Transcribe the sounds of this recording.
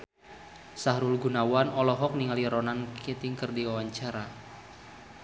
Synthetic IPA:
saɦɾulɡunawanɔlɔɦɔk̚niŋaliɾɔnankʰit̪iŋkərdiwawaɲt͡ʃaɾa

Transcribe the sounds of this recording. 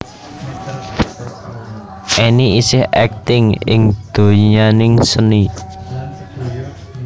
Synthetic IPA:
ʔɛniisɪhɛ̰k̚t̪ɪŋɪ̰ŋd̪̥o̤ɲanɪŋsəni

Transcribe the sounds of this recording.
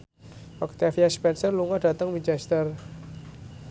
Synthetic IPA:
wakt̪iafiaspɛnsərluŋɔd̥a̤t̪əŋmit͡ʃɛst̪ər

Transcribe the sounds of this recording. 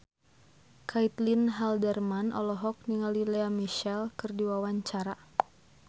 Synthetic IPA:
kʰait̪linɦaldɛrmanɔ̰lɔɦɔk̚niŋalilɛamiʃɛlkɨrdiwawaɲt͡ʃaɾa

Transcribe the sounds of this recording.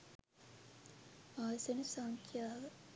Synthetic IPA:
aːsɐnusaŋkʰjaːʋə

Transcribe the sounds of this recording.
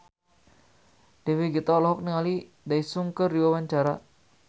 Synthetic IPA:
deweɡit̪alɔɦɔk̚niŋali | daisuŋkərːiwawaɲt͡ʃaɾa

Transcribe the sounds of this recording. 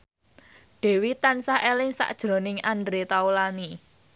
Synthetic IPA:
ɖ̥e̤wit̪ansaɦelɪŋsa̰ʔd̥ʒ̥ɾo̤nɪŋandɾet̪aulani

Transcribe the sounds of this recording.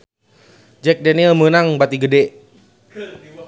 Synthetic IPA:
d͡ʒɛk̚dɛnilmənaŋbat̪iɡədɛ

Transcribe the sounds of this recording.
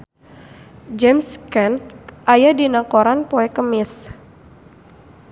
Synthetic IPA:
d͡ʒɛmskɛnʔajadinakoɾanpoɛkəmɪs

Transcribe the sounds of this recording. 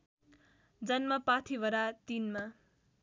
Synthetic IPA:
d͡zʌnmʌpat̪ʰibʌɾat̪inma

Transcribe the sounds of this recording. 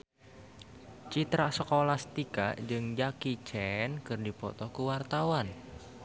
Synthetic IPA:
t͡ʃit̪ɾasəkolast̪ikaʔd͡ʒɨŋd͡ʒakit͡ʃɛnkɨrdipɔ̰t̪ɔkuwart̪awan

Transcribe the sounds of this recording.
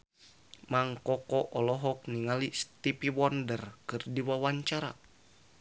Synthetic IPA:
maŋkɔkɔʔɔlɔɦɔk̚niŋalist̪ipiwɔndərkɨrdiwawaɲt͡ʃaɾa

